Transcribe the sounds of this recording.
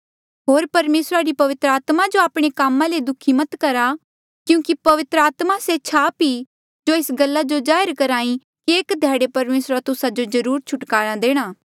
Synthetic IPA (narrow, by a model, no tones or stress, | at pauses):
ɦoːɾpɐɾmeːsɾaɾipɐʋɪt̪ɾaːt̪mad͡ʒoaːpɽ̃ekaːmãled̪ʊkʰimɐt̪kɐɾa | kjũːkipɐʋɪt̪ɾəaːt̪maset͡ʃʰaːpi | d͡ʒoɪsɡɐlːad͡ʒod͡ʒaːɪɾkɐɾaːĩ | keːkd̪ʱjaːɽepɐɾmeːsɾat̪ʊsad͡ʒod͡ʒɐɾuːɾt͡ʃʰʊʈkaːɽ̃ãd̪eːɽ̃aː